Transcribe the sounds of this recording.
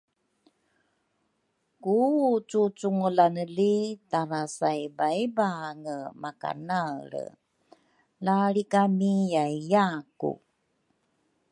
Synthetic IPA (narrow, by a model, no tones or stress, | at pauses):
kut͡sut͡suŋəlanəlitaɾasajbajbaŋəmaka̰naɾə̰ | laɭikamijajjakṵ